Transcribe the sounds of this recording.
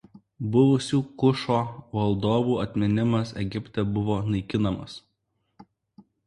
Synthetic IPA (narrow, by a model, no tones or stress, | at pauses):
bʊʋʊsʲuːkʊʃoːʋɐlˠd̪oːʋuːɐt̪ʲmʲɪnʲɪmɐsɛ̰ɡʲɪpʲt̪ʲɛbʊʋoːnɐɪkʲɪnɐmɐ̰s